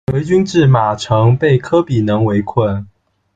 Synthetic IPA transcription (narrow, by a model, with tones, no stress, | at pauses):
we˧˥ɪt͡ɕy˥nʈ͡ʂɻ̩˥˩ma˨˩ʈ͡ʂʰɤ˧˥ŋpe˥˩ɪkʰɤ˥pi˨˩nɤ˧˥ŋwe˧˥ɪkʰwə˥˩n